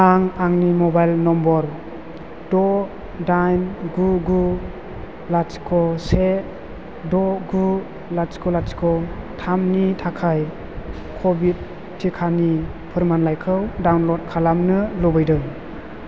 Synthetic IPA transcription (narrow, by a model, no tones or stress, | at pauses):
aŋaŋnimɔbajlnɔmbɔɾ | dɔ | dajnɡuɡu | lat͡ʃkʰɔse | dɔɡu | laskʰɔlaskʰɔtʰamnitʰakʰaj | kʰɔbid̚ | tʰːikʰanipʰɯɾmanlajkʰɯwdawnlɔd̚kʰalamnɯlɔbɯjdɯŋ